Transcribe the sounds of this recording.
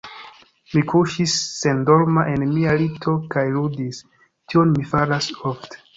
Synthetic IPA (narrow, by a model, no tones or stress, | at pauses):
mikʰuʃisːendo̞ɾmaʔe̞nmialitʰo̞kajludis | tio̞nmifaɾasofte̥